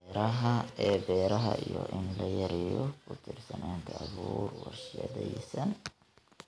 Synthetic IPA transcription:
ɾɐɦɐɛːbɛːɾɐɦɐijɔʔɪnlɐjɐɾɪjɔkʰʊt̪ʰɪrsɐnaːŋkʰɐɐβuːrwɑrʃɪjɐðɛjsɐn

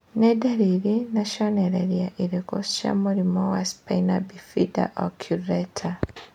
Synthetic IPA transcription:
nɛdaɾiɾinaʃɔnɛɾɛɾiaʔilikɔsʃa̰muɾimɔwaspainabifida̰ʔɔkʰjuɾɛtʰa

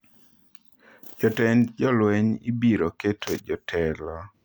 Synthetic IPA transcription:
d͡ʒɔtɛnd͡ʒɔlwɛɲḭbiɾoketʰod͡ʒɔtʰɛlɔ

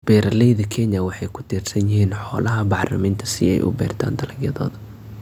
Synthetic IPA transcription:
b̥ɛːɾɐlɛjðɐkʰɛnɐwɑħɑjkʰʊ̥t̪ʰiːrsɐnjɪɦhiːnħɔːlɐɦɐbɑħrlɐ̰miːnt̪ʰɐ̥sɪɛ̰jʔʊ̰bɛ̰ːrt̪ʰa̰ːnd̪ɐlɐɡjɐðɔ̰ːðɐ

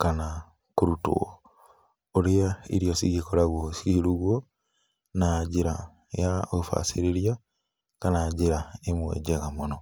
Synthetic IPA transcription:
kana | kuɾutṵ | oɾijaḭɾjosiɣikoɾaɣwosikiɾuɣwo | naɟiɾa | jaoufa̰siɾiɾja | kanaɟiɾaemwḛɟeɣamuno

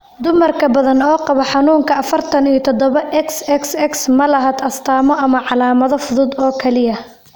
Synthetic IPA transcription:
d̪ʊmɐrkʰɐbɐðɐnɔːqɑβɐħɑnuːŋkʰɐɐfɐrt̪ʰɐnijɐt̪ʰɔd̪ɔβɐʔɛksɛksɛksmɐlɐɦɐːd̪ɐst̪ʰaːmɔʔɐmɐʕɑlaːmɐðɔfʊðʊd̪ɔːkʰɐlɪjɐ

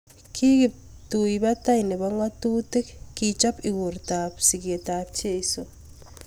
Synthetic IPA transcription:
kʰituiβataineβaŋwatutekkit͡ʃapiɣuɾtapsiɣietap̚t͡ʃeiso

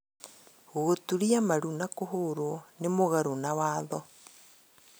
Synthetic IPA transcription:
ɣoɣotuɾiamaɾunakoɦoɾonemoɣaɾonawaːðɔ

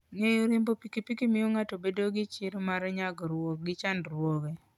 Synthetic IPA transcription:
ŋejoɾembopikipikimɪjoŋatobedoɡɪt͡ʃɪɾmaɾɛɲaɡɾwokɡɪt͡ʃandɾwoɡe

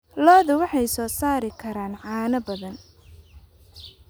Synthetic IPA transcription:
lɔːðʊwɑħɑjsɔːsaːɾɪkʰɐɾaːnʕɑːnɐbɐðɐn

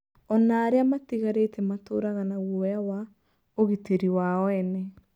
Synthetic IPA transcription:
ɔnaːɾeamatiɣaɾetɛmatoɾaɣanaɣujawa | oɣiteɾiwaɔɛnɛ

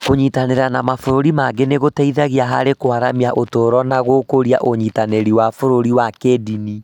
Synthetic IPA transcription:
koɲitaneɾanamafoɾoɾimaɡeneɣotɛiðaɣiaɦa̰ɾekoaɾamiaʔotoːɾɔnaɣokoɾia̰ʔoɲitaneɾiwafoɾoɾiwakedini

